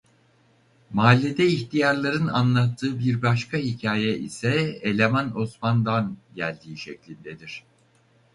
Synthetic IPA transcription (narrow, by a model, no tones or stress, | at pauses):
maːlʲːed̪ɛiçt̪ʰijaɾlˠaɾɯna̰nlˠat̪ʰːɯːbiɾbaʃkʰahicʰaːjɛʔḭsɛelʲemano̞smand̪anɟælʲd̪iːʃɛclʲind̪ed̪iɾ̝̥